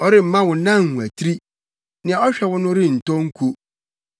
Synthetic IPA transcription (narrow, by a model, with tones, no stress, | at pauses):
ɔ˨ɾɪ˦m̩˨˦mã˦wʊ̃˨˦nã˦˨ŋ˨hũ˨æ˨tʰi˦ɾi˦ | nɪ̃˨ã˨ɔ˦ɕᶣɛ˦wʊ̃˦nʊ̃˦ɾɪ˦n̩˨tɔ̃˦ŋ̩˦kʰo˦